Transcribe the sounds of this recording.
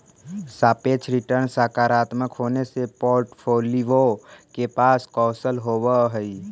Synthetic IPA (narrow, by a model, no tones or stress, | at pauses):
saːpeːt͡ʃʰɾɪʈəɾnsaːkaːɾaːt̪məkɦoːnesepoːɾʈpʰoːliokepaːskɔːsəlɦoːwaɦəi